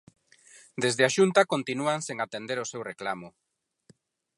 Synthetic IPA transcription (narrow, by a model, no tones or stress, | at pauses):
d̪ezðeaʃunt̪akont̪inuaŋseŋat̪end̪eɾosewreklamʊ